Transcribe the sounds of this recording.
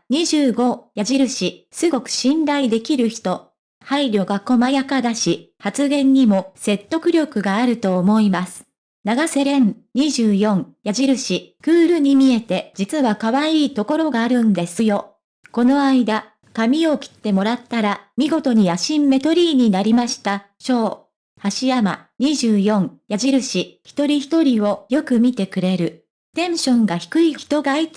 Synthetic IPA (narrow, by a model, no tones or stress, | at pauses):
ɲ̟iʑɨːɡo̞jaʑiɾɯ̟ɕisɨɡo̞kɯ̟̥ɕĩnɾaid̪e̞kʲiɾɯ̟çi̥t̪o̞ | haiɾʲo̞ɡako̞majakad̪aɕi | hat͡sɨɡẽ̞ɲ̟ːimo̞se̞t̪ːo̞kɯ̟ɾʲo̞kɯ̟ɡaːɾɯ̟t̪o̞ːmo̞imasɨ̥ | naɡase̞ɾẽ̞n | ɲiʑɨːjõ̞ŋjaʑiɾɯ̟ɕikɯːɾɯ̟ɲ̟imʲie̞t̪e̞d͡ʑit͡sɨβakaβaiːt̪o̞ko̞ɾo̞ɡaːɾɯ̟̃nd̪e̞sɨjo̞ | ko̞no̞aid̪a | kamʲio̞kʲi̥t̪ːe̞mo̞ɾat̪ːaɾamʲiɡo̞t̪o̞ɲ̟ijaɕĩmːe̞t̪o̞ɾʲiːɲ̟inaɾʲimaɕi̥t̪a | ɕo̞ː | haɕijama̰ɲ̟iʑɨːjõ̞ŋjaʑiɾɯ̟ɕiçi̥t̪o̞ɾʲiçi̥t̪o̞ɾʲio̞jo̞kɯ̟mʲit̪e̞kɯ̟ɾe̞ɾɯ̟ | t̪ẽ̞ɰ̃ɕõ̞ŋɡaçi̥kɯ̟içi̥t̪o̞ɡai